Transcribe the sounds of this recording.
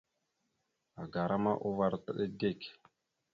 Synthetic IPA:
a˨ɡa˨ɾʔa˦ma˦ʔu˦va˨ɾtə˦ɗə˦de˦˨kʲ

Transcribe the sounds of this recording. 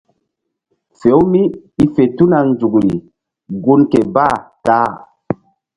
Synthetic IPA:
fe˨˦wmi˦i˦fe˨tu˦na˨ŋnd͡ʒu˨kɾi˨ | ɡu˦nke˨ba˦˨taː˨˦

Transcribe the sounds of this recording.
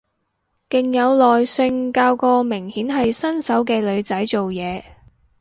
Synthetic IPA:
kɪ˨˩ŋjɐ˨˧wlɔː˨jsɪ˧ŋkaː˧wkɔː˧mɪ˨˩ŋhiː˨˥nɦɐ˨jsɐ˥nsɐ˨˥wkɛː˧lɵ˨˧ɥt͡sɐ˨˥jt͡so˨wjɛː˨˧

